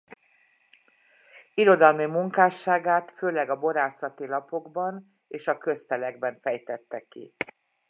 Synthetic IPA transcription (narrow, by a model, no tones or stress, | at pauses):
iɾo̞d̪ɒlmimuŋkaːʃːaːɡaːt̪føːlɛɡɒbo̞ɾaːsɒt̪ilɒpo̞ɡbɒn | eːʃɒkø̞st̪ɛlɛɡ̚bɛɱfɛjt̪ɛt̪ːɛkḭ